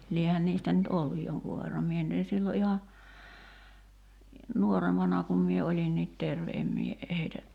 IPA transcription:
liehæn niːstæ nyt olːuj joŋkuʋ̆ ʋerːɑm mie nyt en̞ silːo ʔihɑ nuorempɑnɑ kum mie olʲinːiːt terʋe em mie heitæ

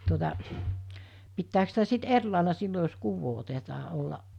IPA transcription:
tuotɑ pitːæːks sitæ sit er lɑˑelɑ silːo jos kuːʋːoː otetɑː olːɑʔ

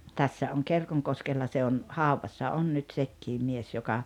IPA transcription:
tæsːæ oŋ kerkoŋkoskelːɑ se on hɑuʋɑsːɑ on nyt sekːiːm mies jokɑ

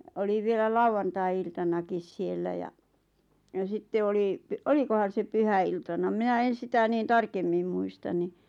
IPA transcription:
oli ʋielæ lɑuwɑntɑi̞iltɑnɑkis sielːæ jɑ jɑ sitːe oli olikohɑn̞ se pyhæiltɑnɑ minæ en̞ sitæ niːn tɑrkemːim muistɑn ni

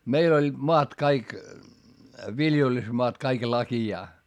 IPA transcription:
meil olʲːid̥ moɑt kɑik ʋiljelysmoɑt kɑik lɑkijɑː

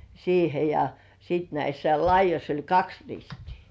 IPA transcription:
siːhe jɑ siˑt næisːæ lɑijˑosʲ olʲ kɑks ristiː

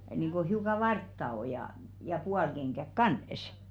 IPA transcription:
niːŋ ɡ̊o hiukɑ ʋɑrtːɑ o jɑ jɑ puɑlkeŋɡ̊æk kɑˑnə̆s

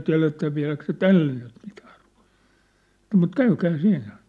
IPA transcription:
tiæ̝letæ ʋiæ̝læk se tælːe nyt mitæ̥ː ru̥ɑ̥̝l̥ɑ̥ː mut kæykæː siːnːæ

